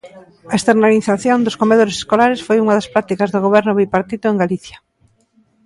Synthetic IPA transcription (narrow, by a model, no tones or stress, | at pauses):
ɐest̪eɾnaliθaθjond̪ʊskomeðoɾese̥skolaɾesfojuŋɐðɐspɾat̪ikɐzðoɣ̞oβ̞ɛɾnʊβipaɾt̪it̪ʊeŋɡaliθjɐ̥